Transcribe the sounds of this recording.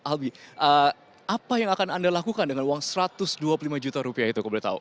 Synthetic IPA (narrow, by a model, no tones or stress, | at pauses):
ʔalbiʔə | ʔapajaŋakanandalakukandəŋanuwaŋsəɾat̪ʊsduaplulimad͡ʒut̪aɾupiait̪ukəbulat̪a̰ʊ̰n